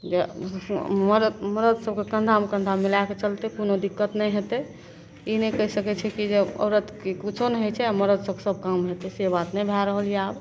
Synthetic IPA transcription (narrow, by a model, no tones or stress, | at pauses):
d͡ʒe | məɾəməɾəd̪səbkekəɳɖ̪ʱamkə̃nd̪ʱamːilaket͡ʃəlt̪ɛkonod̪ikːət̪nɛjɦet̪ɛ | inɛkəɦisəkɛt͡ʃʰɛkid͡ʒeɔ̰ɾət̪kekut͡ʃʰonɦet͡ʃʰɛaməɾəd̪səbke̥səb̚ʱkamɦet̪ɛsebat̪nɛbʱɛɾəɦəlijeab